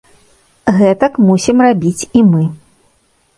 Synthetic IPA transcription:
ɣɛt̪ɐkmusʲimrabʲit͡sʲimɨ

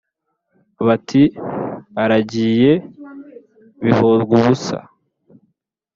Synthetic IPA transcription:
βatʰi | aɾaɟiːje̞ | βihozɡuβusa̰

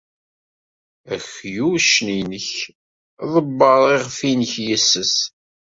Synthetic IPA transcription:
æxjuʃninəç | ðˤəbːəɾˤiʁfinəçjæsːəs

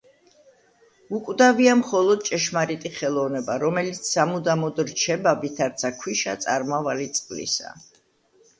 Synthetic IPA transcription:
ukʼwd̪aviamχɔlˠɔd̪̚t͡ʃʼɛʃmaɾit̪ʼiχɛlˠɔvnɛbaɾɔmɛlit̪sʰzamud̪amɔd̪ɾt͡ʃʰɛbavit̪ʰaɾt̪sʰakʰwiʃa̰t̪sʼaɾmavalit̪sʼqʼlḭsa̰

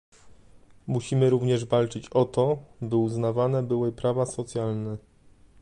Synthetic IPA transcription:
muɕimɘɾuvɲɛʐvalt͡ʂɘt͡ɕɔt̪ɔbɘuznavanɛbɘwɘpɾavasɔt̪sʲjalnɛ

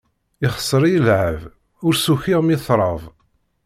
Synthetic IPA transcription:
ɪχə̥sˤːəɾˤijəlʕəv | ʊɾsuçiʁmiθɾˤəvˤ

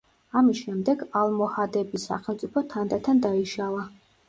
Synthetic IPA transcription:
amisʃɛmd̪ɛɡalˠmɔhad̪ɛbisa̰χɛlˠt̪sʼipʰɔt̪ʰand̪at̪ʰand̪aiʃalˠa

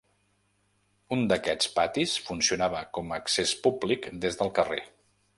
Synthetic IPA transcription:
und̪əkɛt͡spat̪isfunsiunaβəkɔmːksespublikd̪ezðəlˠkərḛ

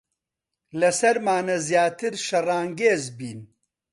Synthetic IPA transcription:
lɐsɐɾmaːnɐzjaːt̪ɨɾʃɐraːŋɡeːzbiːn

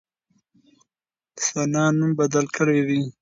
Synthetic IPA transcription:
sanɑnumbad̪alkəɽewi

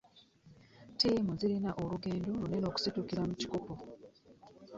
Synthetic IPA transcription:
timuziɾinaʔoluɡe̞ːnduluneno̞ːku̥situkiɾamuci̥kopo

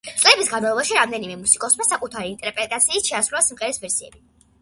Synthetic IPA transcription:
t̪sʼlɛbisɡanmalˠɔbaʃiɾamd̪ɛnimɛmusikʼɔsmasakʼut̪ʰaɾiːnt̪ʼɛɾpʼɾɛt̪ʼat̪sʰiːsʃʰɛasɾulˠasimχɛɾɛsbɛɾsiɛ̰bi

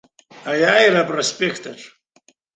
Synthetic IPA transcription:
ajajɾapʼrospʼekʰtʰʼaʈ͡ʂʰʼ

